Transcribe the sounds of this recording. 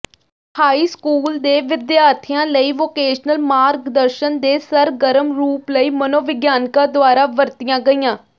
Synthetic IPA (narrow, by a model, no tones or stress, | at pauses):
haːiːskuːld̪eːʋɪd̪jaːɾt̪ʰijãːləiːʋoːkeːʃnəlmaːɾɡd̪əɾʃənd̪eːsəɾɡəɾəmɾuːpləiːmənoːʋɪɡjaːnkãːd̪ʊaːɾaːʋəɾt̪ijãːɡəiːãː